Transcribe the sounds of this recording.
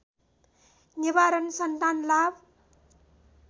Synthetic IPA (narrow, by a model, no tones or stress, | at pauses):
nibaɾʌnsʌnt̪anlab